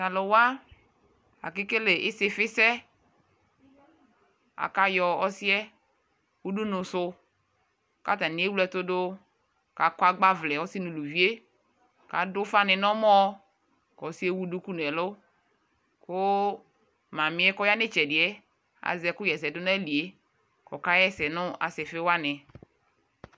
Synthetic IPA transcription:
ka˨lɔ˨wa˦ | a̰˨kɪ˦ke˦le˨ʔɪ˦sɪ˦fɪ˦sɛ˦ | a̰˨ka˨jɔ˨ɔ˦si˦ɛ˦ | wu˦du˦nʊ̃˨sʊ˨ | ka˦t̪a˨nɪ̃˨˦e˦wu˦lɛ˦t̪o˦do˦ | ka˨ka˦ɡ͡ba˦vlɛ˨ɔ˦si˦nũ˨lu˨vi˦e˦ | ka̰˨dʊ˦fa˦nɪ˨nɔ̃˦mɔ̃˦ | kɔ˨si˦e˦wu˦du˦ku˦nɛ˨lʊ˦ | ko˦ | mã˨mɪ̃˨˦ɛ˦kɔ˦ja˦nɪ˦t͡ʃɛ˨dɪ˨ɛ˦ | a̰˨zɛ˨kʊ˦jɛ˨sɛ˨dʊ˦nã˦li˨e˦ | kɔ̰˨ka˦jɛ˦sɛ˨nʊ̃˦a̰˨sɛ˨fe˦wa˦nɛ˨

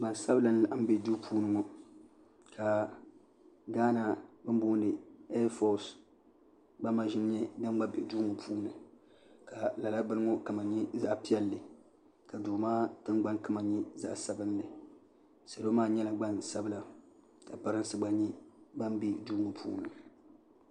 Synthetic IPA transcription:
ɡ͡ba˨nsa˦bɨ˦la˨n˦la˨ʔm̩˦bɛ˦duː˦pʰuː˦nɨ˦ŋɔ˦ | kʰa˨ | ɡaː˦na˨bɨ˦mbuː˦ndɨ˨ɛ˦fɔ˨s | ɡ͡ba˦ma˨ʒɪ˦n˦ɲɛ˦da˦m˦ɡ͡ba˦bɛ˨duː˦ŋɔ˨pʰuː˦nɨ˨ | ka˨la˨la˦bɨ˦lɨ˦ŋo˦ka˨ma˨ɲɛ˦za˦ʔpi˦ɛ˦lːɨ˨ | ka˨duː˨maː˦tɨ˦ŋɡ͡ba˦nkɨ˦ma˨ɲɛ˦za̰˦ʔsa˨˦bɨ˦nːɨ˨ | sa˨lo˦maː˦ɲɛ˦la˨ɡ͡ba˦nsa˦bɨ˦la˨ | ka˨pa˦ɾɨ˦nsɨ˦ɡ͡ba˦ɲi˦ba˦mbi˦duː˦ŋo˨pʰṵː˦nɨ˨

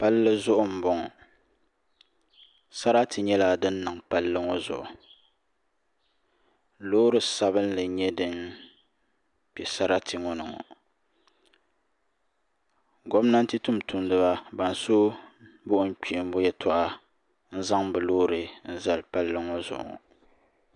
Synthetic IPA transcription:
pa˦lːɨ˦zʊ˦ʔʊ˦m̩˨bɔ˦ŋɔ˨ | sa˦ɾa˦tʰɨ˨ɲɛ˦la˨dɨ˦n̩ː˦ɨ˨ŋ˨pa˦lːɨ˦ŋɔ˦zʊ̰˨ʔʊ̰˨ | loː˦ɾɨ˨sa˦βɨ˦n˦lɨ˨ɲɛ˦dɨ˦n | pɛ˨sa˦ɾa˦tʰɨ˨ŋɔ˦nɨ˨ŋɔ̰˨ | ɡo˦m˦na˦n̩˦tɨ˦tʊ˦mtʊ˨˦mdɨ˦ba˦ba˨n˨so˦bʊ˦ʔʊ˦n̩˦k͡pi˨m˦bʊ˦jɛ˦tʰɔ˦ʔa˦ | n̩˦za˦ŋbɨ˨loː˦ɾɨ˨n̩˦za˨lpa˦lːɨ˦ŋɔ˦zʊ̰˨ʔʊ̰˨ŋɔ̰˨

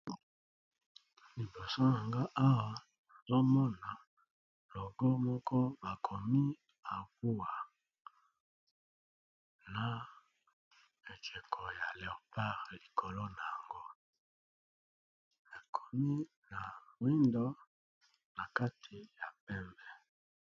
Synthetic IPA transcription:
li˨bo˨so˦na˨ŋɡa˦ʔa˦wa˨ | na˨zo˦mɔ˦na˨ | lɔ˨ɡɔ˦mɔ˦kʰɔ˦ba˨kʰo˨mi˦ | a˨vu˦a˨ | na˨ | e˨kɛ˨kʰɔ˨ja˨le˨pa˦ʁli˨kʰo˨lo˦na˨ja˨ŋɡo˦ | a˨kʰo˨mi˦ | na˨wi˦ndɔ˦ | na˨ka˦tʰi˨ja˨pɛ˦mbɛ˨

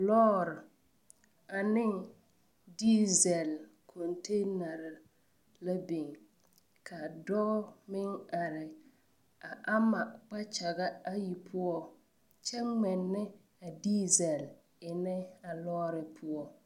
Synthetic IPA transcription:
lɔː˦ɾɪ˨ | a˨nɪ˦ | di˦zɛ˨l | kʰɔ˨nte˦na˨ɾɪ˨ | la˦be˨ŋ | kʰa˨dɔ˦mɪ˦ŋa˨ɾɪ˨ | a˨ʔa˦ma˨k͡pa˦t͡ʃa˨ɡa˦a˦ji˨pʰʊ˦ɔ˦ | t͡ʃɛ˦ŋ͡mɛ˨nːɪ˦ | a˨diː˦zɛ˨l | ɪ˨nɛ˦a˨lɔː˦ɾɪ˨pʰʊ˦ɔ˨

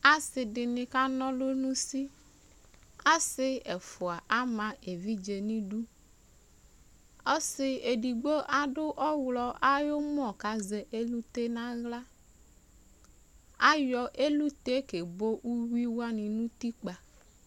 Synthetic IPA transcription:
a˦sɪ˨dɪ˨nɪ̃˨ka˦nɔ̃˦lo˦nũ˦si˦ | a˦sɪ˦ɛ˨fʊ˨a˨ʔa˦mã˨e˨vi˦d͡ʒe˨nĩ˦ɖu˦ | ɔ˦sɪ˨e˨di˨ɡ͡bo˦ʔa˨ɖʊ˦ʔɔ˦wlɔ˨a˦jo˦m˦ɔ˨ka˨ze˨ʔe˦lu˦t̪e˦nã˦ɣla˦ | a˦jɔ˨ʔe˦lu˦t̪e˦ke˨bo˦ʔu˦wi˦wa˦nɪ̃˨nũ˦t̪i˦k͡pa˨

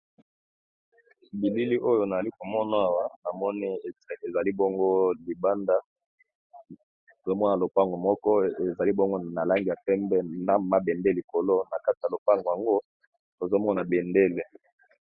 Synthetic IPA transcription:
bi˨li˦li˦ʔo˦jo˨na˨za˨li˦ko˨mɔ˦na˨˦a˨wa˦na˨mɔ˦ni˦˨e˨za˨li˦bo˦ŋɡo˦li˨ba˦nda˦ | o˨o˦mɔ˦n˨a˨lo˨pa˦ŋɡo˨mɔ˦kɔ˦e˨za˨li˦bo˦ŋɡo˦na˨la˦ŋɡi˨ja˨pɛ˦mbɛ˦na˦˨ma˦bɛ˨nde˦li˨ko˨lo˦na˨ka˦ti˨ja˨lo˨pa˦ŋɡo˨a˨ŋɡo˦ | to˨zo˦mɔ˦na˨bɛ˨nde˦le˦

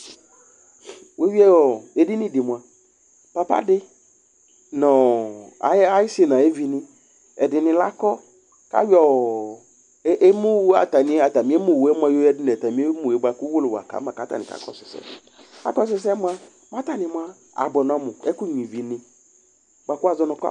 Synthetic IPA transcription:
we˦wi˦ɛ˦ɔ˨e˨dɪ˦nɪ̃˦dɪ˨mʊ̃˨a˨ | pa˨pa̰˦dɪ˦ | nɔ̃˨a̰˨˦a˦jɪ˦sɪ˦˨nã˨e˦vi˨nɪ̃˦ | ɛ˨dɪ˨nɪ̃˨la˦kɔ˦ | ka̰˦wɔ˦ | ʔe˦mu˦wa̰˨t̪a˨nĩ˨˦a˨ta˨mĩ˨˦e˦mu˦˨wɛ˦m˦a˦jo˦ɛ˦dɪ˦n˨t̪a˨mĩ˨˦e˦mu˨e˨˦ba˨ku˦wo˦lʊ˨wa̰˨ka̰˨˦mã˨ka˨˦t̪a̰˨nɪ̰̃˨ka̰˦kɔ̰˦sɪ˨sɛ̰˨˦ | ka̰˦kɔ˦s̬ɪ˦s̬ɛ˦mʊ˦a˦ | m˦a˦t̪a˨nɪ̃˨mʊ̃˦a˦ | a̰˨bɔ˨n˨ɔ̃˨mʊ̃˨ɛ˦ku˦ɲĩ˨vi˨nɪ̃˨ | ɡ͡ba˨ku˦a˨zɔ˦nɔ̃˨ka̰˦

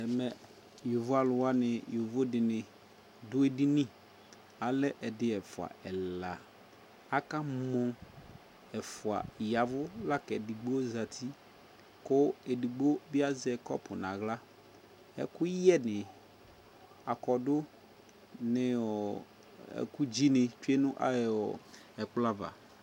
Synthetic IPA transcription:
ɛ˨mɛ˨ | jʊ˨vʊ˦a˨lʊ˨wa˦nɪ˨jʊ˨vʊ˦dɪ˨nɪ̃˨ | dʊ˦e˦di˦nĩ˦ | a˨lɛ˦ʔɛ˨dɪ˦ɛ˨fʊ˨a̰˨ɛ˨la˨ | a˦ka˦mɔ̃˦ | ɛ˨fʊ˨a̰˨ja˨vʊ˦la˦kɛ˨di˨ɡ͡bo˦za˨t̪ʰi˦ | kʊ˦ɛ˨di˨ɡ͡bo˦bɪ˦a˦zɛ˨kɔ̰˦pʊ˨nã˨ɣla˦ | ɛ̰˨kʊ˦jɛ˦nɪ˨ | a˨kɔ˨dʊ˦ | nɪ˨ɔ˨ | ɛ̰˨ku˦d͡ʒi˦nɪ˨t͡ʃu˦e˦nʊ̃˦ʔa˦˨ɔ˨ | ɛ˨k͡pla˦va̰˨

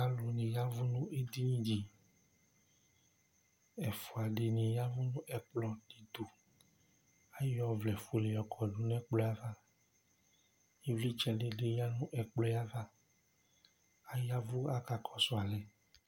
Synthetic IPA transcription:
a˦lu˨nẽ˨ja˦vu˦nũ˦ʔe˦d̪i˦ɲĩ˦d͡ʑi˨ | ɛ˨fu˨a˨ɖe˨nẽ˨ja˦vu˦nũ˦ʔɛ˨k͡plɔ˦ɖe˨d̪o˨ | a˦jɔ˦vlɛ˨fu˨le˨jɔ˨kʰɔ˨ɖu˦nɛ̃˦k͡plɔ˦a˦va˦ | je˦vli˦t͡ʃɛ˦ɖe˦ɖe˦ja˦nũ˦ʔɛ˨k͡plɔ˦ja˦va˦ | a˦ja˦vu˦a˦ka˨kʰɔ˨sɔ˦a˨lɛ˨

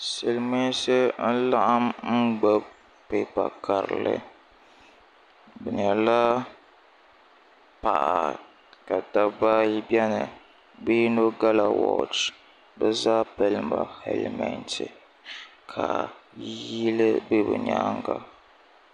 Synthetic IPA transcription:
sɨ˨lme˦sɨ˦n̩˦la˦ʔa˦mŋ͡m̩˦ɡ͡bɛ˦b | pe˨pa˨ka˨ɾɨ˨lɨ̰˦ | bɛ˨ɲɛ˨la˦ | pa˨ʔa˨ | ka˨da˦ba˦ji˦bjɛ˦nɨ˨ | bi˦no˦ɡa˦la˨wɔ̰˨t͡ʃ | bɛ˦zaː˦pɛ˨lɨ˦mba̰˨hɛ̰˨lmɛ˨ntʰɨ˨ | kʰa˨ji˦lɨ˦bɨ˦bɨ˨ɲa˦ŋɡa˦

